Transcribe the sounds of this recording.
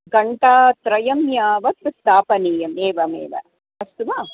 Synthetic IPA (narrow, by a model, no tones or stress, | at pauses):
ɡɐɳʈaːt̪ɾɐjɐmjaːʋɐt̪ːɨst̪aːpɐniːjɐmeːʋɐmḛːʋɐ̰ | ɐst̪uʋaː